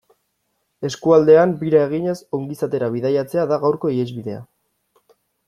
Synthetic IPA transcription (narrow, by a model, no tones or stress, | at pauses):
e̞skuald̪e̞ambiɾae̞ɣ̞iɲe̞so̞ŋɡisat̪e̞ɾaβ̞iðajat͡se̞aðaɣawɾko̞iezβiðe̞a̰